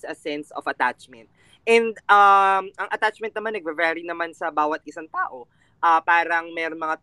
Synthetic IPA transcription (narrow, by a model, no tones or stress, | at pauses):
sɐsɛnso̰fɐt̪a̰t͡ʃmɛnt̪̚ | ɛnd̪amɐŋʔɐt̪at͡ʃmɛ̃nt̪̚nɐmanːɐɡ̚vɛvɛɾinɐmansɐbaːwɐt̪̚ʔɪsaŋt̪aːʔo̞ | ʔɐːpaːɾɐŋmɛːɾonmɐŋa